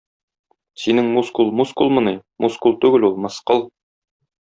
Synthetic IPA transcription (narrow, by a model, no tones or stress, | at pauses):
sinɘŋmuskulˠmuskulˠmɤ̆nɤmuskulˠt̪ʉɡɘlulˠmɤ̆sqɤlˠ